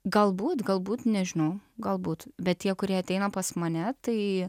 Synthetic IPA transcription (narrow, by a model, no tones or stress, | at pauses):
ɡɐlˠbuːt̪ɡɐlˠbuːt̪nʲɛʒʲɪnɐʊɡɐlˠbuːt̪bʲɛt̪̚t̪ʲiɛkʊɾʲiɛɐt̪ʲɛɪnɐpɐsmɐnʲɛt̪ɐɪ